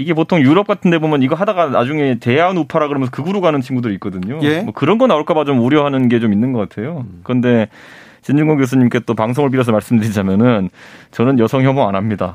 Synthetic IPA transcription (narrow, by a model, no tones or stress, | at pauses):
iɡe̞potʰoŋjuɾʌp̚k͈atʰɯnde̞bomjʌniɡʌɦadaɡana̰d͡ʑuŋe̞te̞jaunupʰaɾaɡkɯɾʌmjʌnsʰʌkɯɡuɾoɡanɯnt͡ɕʰinɡudɯɾit̚k͈ʌdɯɲoemwʌkɯɾʌnɡʌnauɭk͈abat͡ɕomoɾjʌɦanɯnɡe̞t͡ɕominːɯnɡʌk͈atʰe̞jokɯɾʌnde̞ | t͡ɕind͡ʑuŋʌɡjos̬ʰuɲimk͈et͈opaŋsʰoŋɯɭp̬iɾʌs̬ʰʌmaɭs͈ɯmdɯɾid͡ʑamjʌnɯnt͡ɕʌnɯnjʌsʰʌŋçjʌmoa̰namɲida